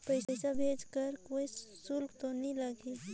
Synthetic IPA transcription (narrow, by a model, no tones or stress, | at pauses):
pəɪsəsabʱed͡ʒkəɾkoisulkt̪onilaɡʱil